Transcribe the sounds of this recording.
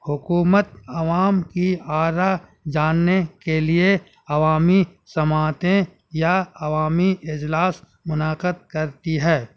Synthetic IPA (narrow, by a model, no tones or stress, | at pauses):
hʊkuːmət̪̚ɐʋaːmkiaːɾad͡ʒaːnːekelie | ɐʋaːmisɐmaːt̪ẽ | jaɐʋaːmiɪd͡ʒlaːs | mʊnaːqəd̪̚kɐɾt̪iɦɛː